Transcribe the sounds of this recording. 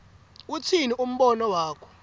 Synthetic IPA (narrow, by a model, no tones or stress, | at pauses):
utʰiniʔum̩ɓɔnɔwaːkʰɔ̥